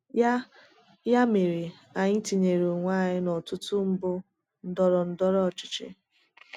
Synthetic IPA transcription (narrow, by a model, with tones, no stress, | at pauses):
ja˦ | ja˦me˨ɾi˨ | a˨ɲɪ˦ti˨ɲe˨ɾo˨ŋʷa˦˨ɲɪ˦nɔ˨tʊ˦tʊ˦m̩˦bʊ˦ | n̩˦dɔ˦ɾɔ˨n̩˦dɔ˦ɾɔ˦ɔ˨t͡ʃɪ̥˨t͡ʃɪ̰˦